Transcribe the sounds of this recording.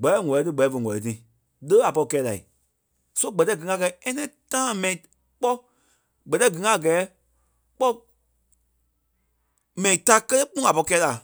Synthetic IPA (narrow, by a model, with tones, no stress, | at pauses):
ɡ͡bɛ˨˦ɛ˦˨ŋɔ̃˨ɛ˨˧tɨ˦ɡ͡bɛ˨ɛ˦fə˨ŋɔ̃˨lɛ˨t̬ĩ˨ | ləː˦a˨pɔ˧i˧kɛː˦la˨i˨ | so˦ɡ͡bɜ˨tɛ˧˦ɡɨ˨ŋã˧˨kɛ˨˦ɛ˦nɛ̃˦tãː˦˨mɛ̃˨ĩ˨ | k͡pɔ˦ | ɡ͡bɜ˨tɛ˧˦ɡɨ˨˦ŋã˦˨ɡɛː˨˦ | k͡pɔ˦ | mɛ̃˨ĩ˨ta˦kə˦te˦k͡pũ˦a˨pɔ˧i˧kɛː˧˦la˨